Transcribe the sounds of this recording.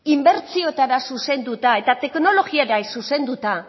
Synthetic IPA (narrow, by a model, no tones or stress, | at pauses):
imbe̞ɾt͡sio̞t̪aɾasuse̞nd̪ut̪ae̞t̪at̪e̞kno̞lo̞ɣieɾajsuse̞nd̪ut̪a